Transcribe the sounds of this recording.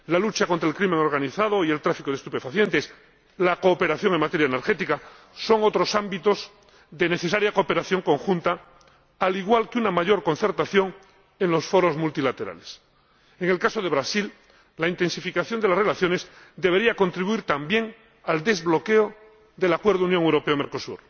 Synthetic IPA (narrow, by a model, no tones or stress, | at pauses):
lalut͡ʃako̞nt̪ɾaelkɾimeŋo̞ɾɣaniθaðo̞ie̞lt̪ɾafikoðest̪upe̞faθje̞nt̪e̞s | lakoːpe̞ɾaθjo̞ŋeŋmat̪e̞ɾjaeneɾxe̞t̪ika | so̞ŋo̞t̪ɾo̞sambit̪o̞z | ðe̞ne̞θe̞saɾjako̞ːpe̞ɾaθjo̞ŋko̞ŋxunt̪aː | liɣ̞walkeunamaʝo̞ɾko̞nθe̞ɾt̪aθjo̞ŋ | e̞nlo̞sfo̞ɾo̞zmult̪ilat̪e̞ɾa̰le̞s | eŋe̞lkaso̞ðe̞β̞ɾasil | laint̪e̞nsifikaθjo̞nd̪elasre̞laθjo̞ne̞szd̪e̞β̞e̞ɾiako̞nt̪ɾiβuiɾt̪ambje̞ŋ | ald̪e̞zβlo̞ke̞o | ðe̞lakwe̞ɾð̞ounjoŋewɾo̞peomeɾko̞sṵɾ